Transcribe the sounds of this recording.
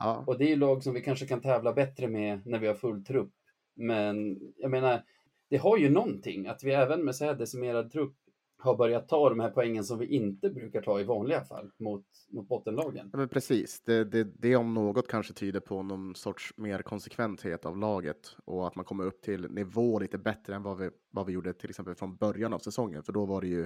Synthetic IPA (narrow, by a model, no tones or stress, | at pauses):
ɔd̪ɛæjɵlɑːɡsɔmvɪkʰanʂəkʰant̪ʰɛːvlabɛt̪ːɾəmɛnæɾvɪhaɾfɵlːt̪ʰɾɵpː | mɛnjameːnaɾ | d̪̥ɛɦaɾjɵnɔnt̪ʰɪ̰ŋːat̪vɪɛːvənmɛsɔhæːɖɛsɪmeːɾad̪̚t̪ʰɾɵpː | haɾbœɾjat̪ʰːɑːd̪ɔmhæːɾpʰɔɛŋːəns̬ɔmvɪʔɪnt̪əbɾʉ̟ːkaʈʰɑːɪvɑːnlɪɡafa̰lːmʊt̪ | mʊt̪̚bɔt̪ːənlɑːɡə̰njɑːmɛnpʰɾɛsiːsd̪ɛd̪ɛd̪ɛɔmnoːɡɔt̪kʰanʂət̪ʰyːd̪əɾpʰɔnɔnsɔʈʂmeːɾkʰɔnsɛkʰvɛnt̪hḛːt̪a̰vlɑːɡə̰t̪ɔat̪mankʰɔmːəɾɵp̚ːt̪ʰɪlnɪvoːliːt̪əbɛt̪ɾəɛnvavɪ | vavɪjuːɖːət̪ʰɪlɛksɛmpəlfɾɔnbœɾjana̰vsɛsɔŋːə̰nfœɖɔvaɖɛjɵ